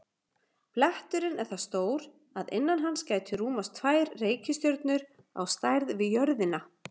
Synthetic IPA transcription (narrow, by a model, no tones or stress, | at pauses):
plɛht̪ʏɾɪnɛɾ̥θast̪oːwɾ | aðɪ̰nːanɦanːscaːjt̪ʰʏɾuːmast̪ʰvaːjɾreːjcʏst̪jœɾt̪nʏɾ | a̰wst̪ajɾðvɪðjœɾðɪna